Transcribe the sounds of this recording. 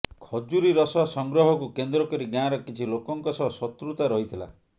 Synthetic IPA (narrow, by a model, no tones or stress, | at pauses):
kʰɔd͡ʒuɾiɾɔsɔsɔŋɡɾɔɦɔkukend̪ɾɔkɔɾiɡãɾɔkit͡ʃʰilokɔŋkɔsɔɦsɔt̪ɾut̪aɾɔɦit̪ʰila̰